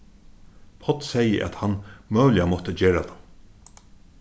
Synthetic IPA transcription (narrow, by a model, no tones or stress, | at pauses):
pʰɔt̪sɛjə̰ʔɛ̰t̪hanmœːlɪamɔht̪əd͡ʒeːɹat̪ʰam